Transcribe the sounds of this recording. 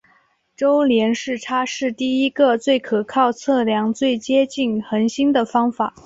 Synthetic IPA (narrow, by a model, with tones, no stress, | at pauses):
ʈ͡ʂo˥ʊljɛ˧˥nʂɻ̩˥˩ʈ͡ʂʰa˥ʂɻ̩˥˧t̪i˥˩i˥ɡə˧t͡swe˥˩ɪkʰɤ˨˩kʰɑ˥˧ʊt͡sʰɤ˥˩ljɑ˧˥ŋt͡swe˥˩ɪt͡ɕjɛ˥t͡ɕi˥˩nxə˧˥nɕi˥nd̪ə˨fɑ˥ŋfa˨˩˦